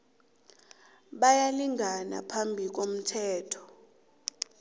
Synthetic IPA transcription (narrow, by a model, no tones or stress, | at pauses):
ɓajaliŋana̰pʰambʱik̬om̩tʰɛːtʰɔ̥